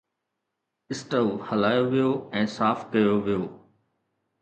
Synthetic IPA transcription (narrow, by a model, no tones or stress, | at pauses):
ɪsʈəlhɐlaːjoʋijoːɛ̃ːsaːfkɐjoʋɪjoː